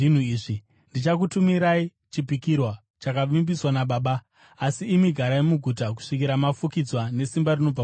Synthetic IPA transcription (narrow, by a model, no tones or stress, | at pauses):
in̤uiːʐi | ndit͡ʃakutumiɾai | t͡ʃipikirwa | t͡ʃakaʋimbiswanaɓaːɓaː | siːmiɡʱaɾaimuɡʱutak̬u̥ʂikiɾamafukid͡zwane̞simbarino̞b͡va